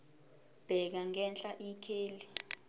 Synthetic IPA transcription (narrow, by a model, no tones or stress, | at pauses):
b̥ʱɛk̬aŋɛnt͡ɬʼaʔikʰeːli